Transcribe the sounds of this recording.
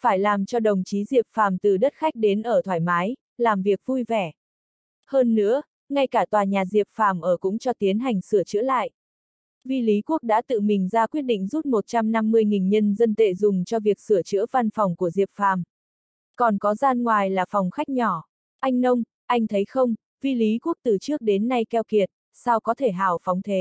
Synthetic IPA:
faː˧˩jlaː˨˩mt͡ɕɔ˧ɗə˨˩wŋ͡mt͡ɕi˨˦zi˨˩əp̚faː˨˩mt̪ɨ˨˩ɗə˦˥t̚xa˦˥jk̟̚ɗe˨˦nʔəː˧˩t̪ʰwaː˧˩jmaː˨˦j | laː˨˩mvi˨˩ək̚vu˧jvɛ˧˩ | həː˧nːɨ̰˧˥ə | ŋa˧jkaː˧˩t̪waː˨˩ɲaː˨˩zi˨˩əp̚faː˨˩mʔəː˧˩kʊ̰˧˥ŋ͡mt͡ɕɔ˧t̪i˨˦ənɦa˨˩jŋ̟sɨ˧˩ət͡ɕɨ̰˧˥əla̰ː˧˨jʔ | vi˧li˨˦ku˦˥ək̚ɗa̰ː˧˥t̪ɨ̰˧˨mï˨˩ŋ̟zaː˧kwi˦˥ət̚ɗḭ̈˧˨ŋ̟zu˦˥t̚mo˨˩t̚t͡ɕa˧mna˧mːɨ˧əjŋi˨˩nɲə˧nzə˧nt̪ḛ˧˨zʊ˨˩ŋ͡mt͡ɕɔ˧vi˨˩ək̚sɨ˧˩ət͡ɕɨ̰˧˥əva˧nfɔ˨˩wŋ͡mku˧˩əzi˨˩əp̚faː˨˩m | kɔ˨˩nkɔ˨˦zaː˧nŋwaː˨˩jlaː˨˩fɔ˨˩wŋ͡mxa˦˥jk̟̚ɲɔ˧˩ | ʔa˧jŋ̟nə˧wŋ͡m | ʔa˧jŋ̟t̪ʰə˨˦jxə˧wŋ͡m | vi˧li˨˦ku˦˥ək̚t̪ɨ˨˩t͡ɕɨ˦˥ək̚ɗe˨˦nːa˧jkɛ˧wki˨˩ət̚ | sa˧wkɔ˨˦t̪ʰe˧˩ɦaː˨˩wfɔ˨˦wŋ͡mt̪ʰe˨˦

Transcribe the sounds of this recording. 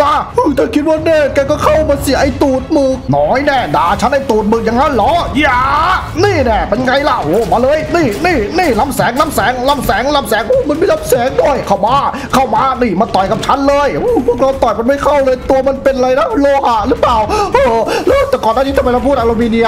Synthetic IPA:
taː˧˩ʔɯː˧˩t̪ʰaː˧˩kʰi˦˥t̪̚waː˧nɛː˧˩kaː˧˩kɔː˥˧˩kʰa˥˩wmaː˧si˨˩˦ʔa˧˩jt̪uː˨˩t̪̚mɯː˨˩k̚nɔː˦˥jnɛː˧˩daː˨˩t͡ɕʰa˦˥nʔa˧˩jt̪uː˨˩t̪̚mɯː˨˩k̚ja˧ŋːa˦˥˩jlɔː˨˦˥jaː˧˩ | niː˥˩nɛː˧˩ma˧njŋa˧jla˨˧˩oː˨˧˩maː˧lɤː˧jniː˧˥˩niː˧˥˩niː˧˥˩la˦˧˥msɛː˨˦ŋa˧˥˨msɛː˨˦ŋla˧˥˩msɛː˨˦ŋla˧˩msɛː˨˦ŋʔoː˧˥˦ma˧˥nmiː˧la˧˥msɛː˨˦ŋdu˥˩əjkʰa˧˩wmaː˧˩ | kʰa˥˩wmaː˧niː˧˩ma˧t̪ɔ˨˩jka˨˩p̚t͡ɕʰa˦˥nlɤː˧jhu˧˩pʰu˥˩ək̚ɾaː˧˩wt̪ɔ˨˩jma˧nma˥˩jkʰa˥˩wlɤː˧jt̪u˧ɐma˧npe˧nʔa˧ɾa˧jna˦˥loː˧ha˨˩ʔɾɯ˦˥plaː˨˩wʔɤː˧˩lɤː˧˦t̪ɛː˨˩kɔː˨˩naː˧˥˩iː˦t̪ɔ˧pɾa˧pʰuː˥˩t̪ʔa˧lo˧miː˧ni˧ə˧

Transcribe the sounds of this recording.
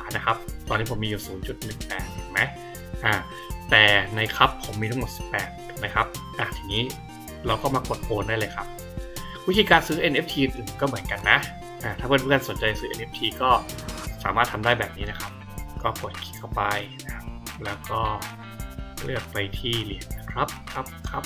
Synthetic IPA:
a˨˦na˦˥kʰa˦˥p̚t̪ɔː˧nːiː˦˥pʰo˩˦miː˧juː˨˩suː˩˦nt͡ɕu˨˩t̪̚nɯ˨˩ŋpɛː˨˩t̪̚aː˨˦ma˦˥j | ʔaː˧˩ | t̪ɛː˨˩na˧jkʰa˦˥pʰːo˩˦mːiː˧t̪ʰa˥ŋo˨˩t̪̚si̥˨˩pːɛ̰ː˨˩t̪̚a˨˩˦ma˦˥jkʰa˦˥p̚ʔa˨˧˩t̪ʰiː˨˧˩ŋiː˦˥ | ɾa˧wkɔː˥˩maː˧ko˨˩t̪̚ʔoː˧ndaː˥˩jlɤː˧jkʰa˦˥p̚ | wi˦˥t̪ʰiː˧kaː˧nsɯː˦˥ʔe˧nʔe˦˥p̚t̪ʰiː˧ʔɯ˨nʔɯː˨˩m˨kɔː˥˩mɯ˩˦ənka˧nːa˦˥ʔ | ʔaː˧˩t̪ʰaː˥˩pe˧nuː˥ka˧nso˨˦nt͡ɕa˧jsɯː˦˥ʔe˧nʔe˦˥p̚t̪ʰiː˧kɔː˥˩sa̰ː˩˦maː˥˩t̪ʰːa˧mdaː˥˩jbɛː˨˩p̚niː˦˥na˦˥kʰa˦˥p̚ | kɔː˥˩po˨˩t̪̚kʰi̥˨˩kʰa˥˩wpa˧jna˦˥kʰa˦˥lɛː˦˥wkɔː˥˩ | lɯ̰˥˩ək̚pa˧jt̪ʰiː˥˩li˨˩əna˦˧˩kʰɾa˦˥p̚kʰa˦˥p̚kʰɾa˦˥p̚

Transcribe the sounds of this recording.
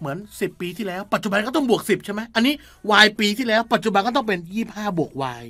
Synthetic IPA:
mɯ˩˦ənsi˨˩pːiː˧t̪ʰiː˥˩lɛː˦˥wpa˨˩t̪̚t͡ɕu˨ba˧nkɔ˥˩t̪ɔ˥˩ŋbu˨˩ək̚si˨˩p̚t͡ɕʰjma˦˥jʔa˧nːiː˦˥ | waː˧jpiː˧t̪ʰiː˥˩lɛː˦˥wpa˨˩t̪̚t͡ɕu˨˩ba˧nkɔ˥˩t̪ɔ˥˩ŋpe˧njiː˥˩p̚haː˥˩bu˨˩ək̚wa̰ː˧j

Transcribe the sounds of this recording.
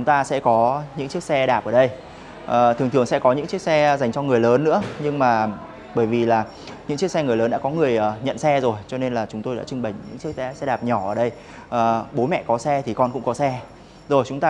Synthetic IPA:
ŋ͡mt̪aː˧sɛ̰˧˥kɔ˨˦ɲɨ̰˧˥ŋkt͡ɕi˦˥ək̚sɛ˧ɗaː˨˩p̚ʔəː˧˩ɗə˧j | ʔəː˨˩t̪ʰɨ˨˩ŋt̪ɨ˨˩əŋsɛ̰˧˥kɔ˨˦ɲɨ̰˧˥ŋt͡ɕi˦˥ək̚sɛ˧za˨˩jŋ̟t͡ɕɔ˧ŋɨ˨˩əjləː˨˦nːɨ̰˧˥əɲɨ˧ŋmaː˨˩ | ɓəː˧˩jvi˨˩laː˨˩ | ɲɨ̰˧˥ŋt͡ɕi˦˥k̚sɛ˧ŋɨ˨˩əjləː˨˦nɗa̰ː˧˥kɔ˨˦ŋɨ˨˩əjʔəː˨˩ɲə̰˧˨nsɛ˧zo˨˩jt͡ɕɔ˧ne˧nlaː˨˩t͡ɕʊ˨˦ŋ͡mt̪o˧jɗa̰ː˧˥t͡ɕʊ˧ŋɓə˨˩jɲɨ̰˧˥ŋt͡ɕi˦˥ək̚sɛ˧˦sɛ˧ɗaː˨˩p̚ɲɔ˧˩ʔəː˨˩ɗə˧j | ʔəː˨˩ɓo˨˦mɛ̰˧˨kɔ˨˦sɛ˧t̪ʰi˨˩kɔ˧nkʊ̰˧˥ŋ͡mkɔ˨˦sɛ˧ | zo˨˩jt͡ɕʊ˨˦ŋ͡mt̪aː˧

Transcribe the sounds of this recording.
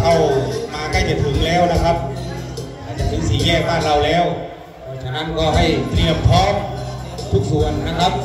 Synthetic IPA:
kʰa˥˩wmaː˧ka˥˩jt͡ɕa˨˩t̚p̪ʰɯ˨˦ŋlɛː˦˥wna˦˥˩kʰa˦˥p̚ | aː˧˩t͡ɕa˧˩pi˧˦siː˨˩˦ŋɛː˧˥˩kʰaː˥˩ŋɾa˧wlɛː˦˥w | pʰɔ˧˩t͡ɕʰa˧˩na˦˥˨nkɔː˥˩ha˥˩jt̪ɾi˧˩əmt̪ʰɔː˦˥˨m | t̪ʰu˦˥k̚su˨˩ənːa˦˥˩kʰa˦˥p̚

